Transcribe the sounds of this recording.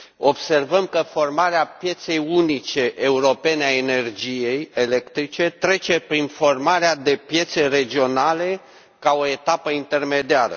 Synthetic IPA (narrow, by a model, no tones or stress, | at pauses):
o̞bse̞rvəmkəfo̞rmaɾeapje̞t̪se̞junit͡ʃe̞ʔeuɾo̞pe̞neaene̞rd͡ʒije̞jele̞kt̪ɾit͡ʃe̞t̪ɾe̞t͡ʃe̞pɾinfo̞rmaɾead̪e̞pje̞t̪se̞re̞d͡ʒio̞nale̞ | kao̞e̞t̪apəint̪e̞rme̞d̪iaɾə̰